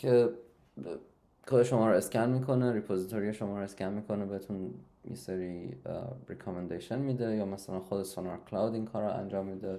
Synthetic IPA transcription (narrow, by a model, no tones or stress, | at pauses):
cʰe | kʰoɾeʃomɒːɾɔe̞skʲʰænmiːkʰo̞neɾipʰozit̪ʰoɾijeʃomɒːɾɔe̞scʲʰænmiːkʰo̞nebeet̪ʰun | jḛseɾi | ɾekʰɒmend̪eʃenmiːd̪ejɒːmæsælænxod̪esonoɾkʰlɒwd̪iŋkʰɒːɾɑæ̰nd͡ʒɒːmːiːd̪e